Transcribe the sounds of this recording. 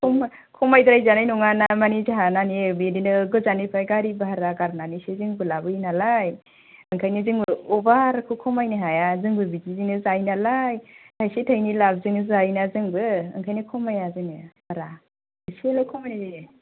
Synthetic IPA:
kʰɔm | kʰɔmajdɾajzanajnɔŋanamanizaɦananibedinɯɡɯzanipʰajɡaɾibaɦaɾaɡaɾnanisezɯŋbɯlabɯjnalaj | ɯŋkʰajnizɯŋbɯɔbaɾkʰukʰɔmajniɦajazɯŋbɯbizizinɯzajnalajtʰajsetʰajnilab̚zɯŋɯzajnazɯŋbɯɯ̰ŋkʰajnikʰɔmajazɯnɯbaɾa | ɯselakʰɔmajnazɯ

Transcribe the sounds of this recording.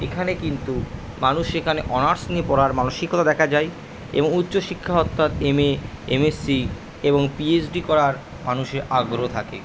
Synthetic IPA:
ekʰanekint̪u | manuʃekʰaneʔɔnaɾsniepɔɾaɾmanoʃikʰːot̪ad̪ɛkʰad͡ʑaj | ḛboŋutːɕoʃikʰːaɦɔt̪ːat̪eme | ḛmesːi | eboŋpiesɖikɔɾaɾ | manuʃeɾaɡɾot̪ʰakḛ

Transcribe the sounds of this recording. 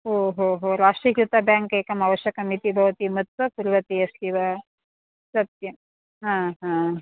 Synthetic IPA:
ɦoɦoɦoɾaʂʈɾikjut̪abɛ̃ŋkekəmaʋəɕjəkamit̪ibʱəʋt̪iːmət̪t͡səpuɾʋət̪iəsliʋa | sət̪ji | ɦãɦã

